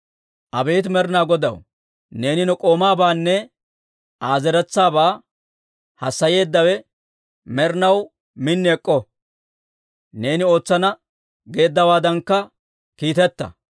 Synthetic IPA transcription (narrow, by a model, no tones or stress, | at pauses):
ʔɐbe̞ːt̪mɛɾnaːɡɔd̪ɐ̰w | ne̞ːnɪnɔkʼo̞ːmaːbaːnːɛ | ʔaːzɛɾɛt͡sːaːbaː | hɐsːɐje̞ːd̪ːɐwɛ | mɛɾnɐw | mɪnːɛɛkʼːɔ | ne̞ːnɪo̞ːt͡sːɐnɐ | ɡe̞ːd̪ːɐwaːd̪ɐŋkːɐ | kiːt̪ɛt̪ːɐ̰